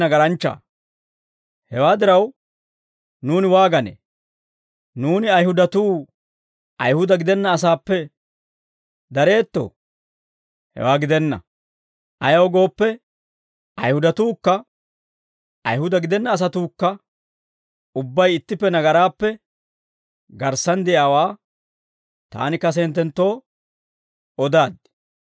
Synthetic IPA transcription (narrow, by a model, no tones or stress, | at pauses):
nɐɡɐɾɐnt͡ʃːa̰ː | hɛwaːd̪ɪɾɐw | nuːnɪwaːɡɐnḛː | nuːnɪɐjhʊd̪ɐt̪uː | ʔɐjhʊd̪ɐɡɪd̪ɛnːɐːsaːpːɛ | d̪ɐɾe̞ːt̪ːo̰ː | hɛ̰waːɡɪd̪ɛnːɐ̰ | ʔɐjɐwɡo̞ːpːɛ | ʔɐjhʊd̪ɐt̪uːkːɐ | ɐjhʊd̪ɐɡɪd̪ɛnːɐːs̬ɐt̪uːkːɐ | ʊbːɐjɪt̪ːɪpːɛnɐɡɐɾaːpːɛ | ɡɐɾsɐnd̪ɪjaːwaː | t̪a̰ːnɪkɐs̬ɛːnt̪ːɛnt̪ːo̞ː | ɔd̪aːd̪̚